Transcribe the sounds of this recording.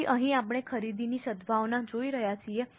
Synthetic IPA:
iʔəɦĩapɽ̃ekʰəɾid̪iniʃəd̪bʱaʋnãd͡ʒoiɾəɦjat͡ʃʰie

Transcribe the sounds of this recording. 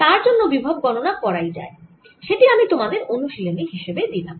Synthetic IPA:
t̪aɾd͡ʑonːobibʱab̚ɡɔnonakɔɾajd͡ʑa̰e | ʃeʈiamit̪omad̪eɾonuʃileniɦiʃebed̪ilam

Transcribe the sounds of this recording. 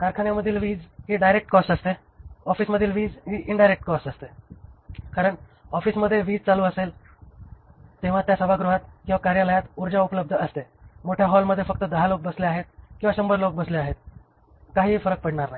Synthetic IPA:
kaɾkʰaɳjaməd̪ʱːilʋiːd͡zɦiɖajɾek̚ʈkɔsʈəst̪e | ɔfiːsməd̪ʱːilʋiːd͡zɦiːʔiɳɖajɾek̚ʈkɔsʈəst̪e | kaɾəɳ | ɔfiːsməd̪ʱːjeʋiːd͡zt͡saluːəsel | t̪eʋ̤at̪jasəbʱaɡɾuɦat̪̚kĩwʋakaɾjaləjat̪uɾd͡ʑaupələb̚d̪ʱəəst̪e | moʈʰjaɦɔlməd̪ʱːjefək̚t̪əd̪əɦalok̚bəsleaɦet̪̚kĩw̃ʋaɕəmbəɾlok̚bəsleaɦet̪̚ | kaɦiːfəɾək̚pəɽɳaɾnaɦi

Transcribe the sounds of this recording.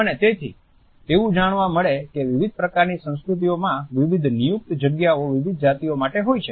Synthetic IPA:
ənet̪et̪ʰḭ | eʋũd͡ʒaɳ̃ʋãməɭekeʋɪʋid̪̚pɾəkaɾnisə̃w̃skɾut̪̬iomãʋiʋid̪ʱnijuk̚t̪d͡ʒəɡjaoʋiʋid̪ʱd͡ʒat̪iomaʈeɦojt͡ʃʰe

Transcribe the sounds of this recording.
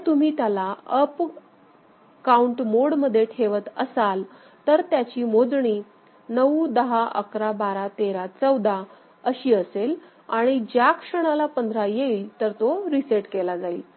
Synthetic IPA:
t̪um̤iːt̪jalaəp | kauɳʈmoɽməd̪ʱjeʈʰeʋət̪əsal | t̪əɾt̪jat͡ɕiːmod͡z̪ɳiː | nəʋd̪əɦaʔə̰kɾabaɾat̪eɾat͡səwd̪a | əɕiːəsel | aɽ̃id͡ʑjakʂəɽ̃alapənd̪ʱɾajeiːlt̪əɾt̪oɾiseʈkelad͡zaḭːl

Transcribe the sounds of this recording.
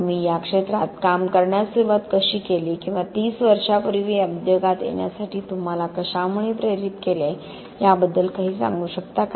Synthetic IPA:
miːjakʂet̪ɾat̪kamkəɾɳjasuɾuʋat̪kəɕiːkeliːkĩw̃ʋat̪iːsʋəɾʂapəɾiʋeəbd̪jəɡat̪jḛɳja̰saʈiːt̪um̤alakəɕamuɭiːpɾeɾit̪kele | jabəd̪ːəlkaɦiːsã̰ŋɡuːɕəkt̪ak

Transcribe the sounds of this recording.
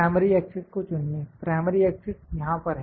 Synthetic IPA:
ɪməɾiɛːksɪɖkot͡ʃʊnnepɾaːɪməɾiɛːksɪɖjɐɦãpɐɾɦɛ

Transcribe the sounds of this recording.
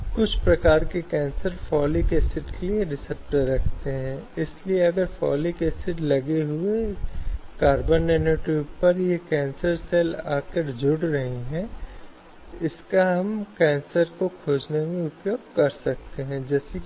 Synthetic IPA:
kʊt͡ʃʰpɾɐkaːɾkekɛ̃ːnsəɾfɔːlikesɪʈkelieɾɪsəp̚ʈəɾːɐkʰt̪eɦɛ̃ːɪslieɐɡəɾfʰɔ̰ːlikesɪʈlɐɡeɦʊe | kaːɾbəneneʈubpɐɾjekɛ̃ːnsəɾsɛːlaːkeʈd͡ʒʱʊɽɾɐɦiɦɛ̃ | ɪskaɦɐmkɛ̃ːnsəɾkokʰoːd͡ʒnemẽʊpjoːɡ̚kɐɾsɐk̚t̪eɦɛ̃ːd͡ʒɛːsek

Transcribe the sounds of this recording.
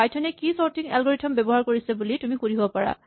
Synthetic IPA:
ajtʰɔnɛkisɔɹtʰiŋɛ̰lɡɔɹitʰɔmbebɔɦaɹkoɹisɛbulitumikuɹiɦobɔpaɹa̰

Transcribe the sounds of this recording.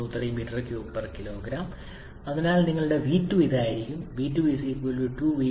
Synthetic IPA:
uːt̪ːɐlimiːʈːɐrkjuːpːɐrkilo̞ːɡɾaːm | ɐðinaːlniŋːɐɭuɽe̞ʋiːtːuiðaːjiɾikʲːumʋiːtːuʋiːsikuoːluʈuːʋiː

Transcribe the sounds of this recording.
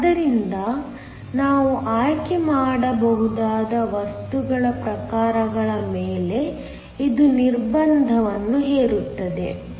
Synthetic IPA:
ɐd̪ɐɾind̪ɐ | naːʋuʔaːjkemaːɽɐbɐɦud̪aːd̪ɐʋɐst̪uɡɐɭɐpɾɐkaːɾɐɡɐɭɐmeːle̞ | id̪uniɾbɐnd̪ʱɐʋɐnːuɦeːɾut̪ːɐd̪e̞̰

